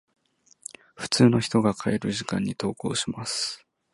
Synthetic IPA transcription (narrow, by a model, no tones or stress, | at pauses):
ɸɯ̟̥t͡sɨːno̞çi̥t̪o̞ɡakʰaeɾɯ̟ʑikã̰ɲ̟ːit̪o̞ːko̞̰ːɕimasɨ̥